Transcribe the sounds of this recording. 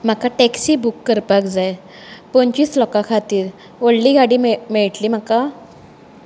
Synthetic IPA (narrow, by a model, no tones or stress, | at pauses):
m̤akaʈeksiːbukːəɾpakd͡zaj | pɔɲt͡ɕiːslɔkakʰat̪iːɾ | ʋoɽliɡaɽiːmɛɭʈliːm̤aka